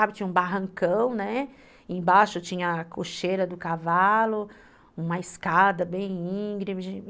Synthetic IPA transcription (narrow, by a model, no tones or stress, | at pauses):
abɪt͡ʃĩɲɐũbaɦɐ̃ŋkɐ̃w̃nɛ | ẽj̃baʃʊet͡ʃĩɲɐkoʃeɾɐd̪ʊkavalʊ | ũmɐɪskad̪ɐbẽj̃ĩɡɾimɪʒ